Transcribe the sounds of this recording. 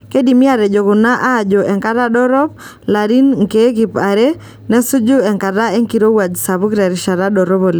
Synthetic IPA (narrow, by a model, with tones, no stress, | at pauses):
ke˦di˨mɪ˦a˨ɾɛ˨d͡ʒo˨kʊ˨na˦ʔaː˦˨d͡ʒo˨ʔɛ˨ŋka˦ɾa˦dɔ˦ɾɔ˦p | la˨ɾi˦nŋke˦k̬i˨pa˨ɾe˦ | nɛ˦sʊ˦d͡ʒʊ˦ɛ˨ŋka˨da˦e˦ŋki˨ɾo˦wa˨d͡ʒsa˨bʊ˦kɾɛ˨ɾɪ˨ʃa˨ɾa˦dɔ˨ɾɔ˦bo˨l